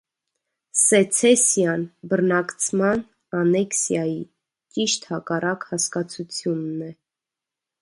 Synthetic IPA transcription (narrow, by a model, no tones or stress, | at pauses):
sɛt͡sʰɛsjɑnbərnɑkt͡sʰmɑn | ɑnɛksjɑji | t͡ʃiʃt̪hɑkɑrɑkhɑskɑt͡sʰut͡sʰjunːɛ